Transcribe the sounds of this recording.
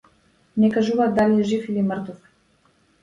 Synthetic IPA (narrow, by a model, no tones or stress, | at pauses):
nɛkaʒuvad̪aliɛʒifilimə̆ɾt̪uf